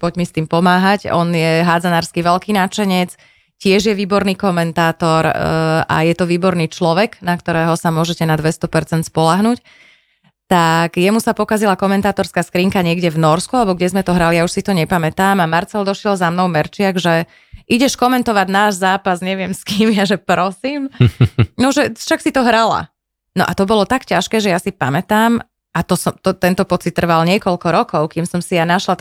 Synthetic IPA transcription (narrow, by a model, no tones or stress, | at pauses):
pɔɟmist̪iːmpɔmaːɦacɔnjɛɦad͡zanaːɾskiʋɛlkiːnat͡ʃɛɲɛt͡s | cɪɛʒjɛʋiːbɔɾniːkɔmɛnt̪aːt̪ɔɾa̰jɛt̪ɔʋiːbɔɾniːt͡ʃlɔʋɛknakt̪ɔɾɛːɦɔsamʊɔʒɛcɛnad̪ʋɛst̪ɔpɛɾt͡sɛnt̪spɔlaɦnuc | t̪aɡjɛmusapɔkazilakɔmɛnt̪aːt̪ɔɾskaːskɾiːŋkaɲɪɛɡɟɛvnɔɾskualɛbɔɡɟɛzmɛt̪ɔɦɾalijauʃsit̪ɔɲɛpamɛt̪aːmamaɾt͡sɛld̪ɔʃɪɛlzamnɔʊmɛɾt͡ʃɪaɡʒɛ | ʔiɟɛʃkɔmɛnt̪ɔʋaɟnaːʒzaːpazɲɛʋɪɛmskiːmjaʒɛpɾɔsiːm | nɔʒɛʃaksit̪ɔɦɾala̰ | nɔʔat̪ɔbɔlɔt̪akcaʃkɛːʒɛjasipamɛt̪aːm | at̪ɔsɔmt̪ɔt̪ɛnt̪ɔpɔt͡sit̪ːr̩ʋalɲɪɛkɔlkɔɾɔkɔʊkiːmsɔmsijanaʃlat̪